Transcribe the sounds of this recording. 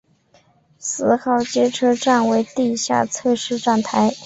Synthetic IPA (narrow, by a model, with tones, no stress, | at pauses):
sɹ̩˧˥˩xɑ˨˩ʊt͡ɕjɛ˥ʈ͡ʂʰɤ˥ʈ͡ʂa˥˩nwe˧˥ɪt̪i˥˧ɕja̰˥˧t͡sʰɤ˥˧ʂɻ̩˥˧ʈ͡ʂa˥˩nt̪ʰa˧˥ɪ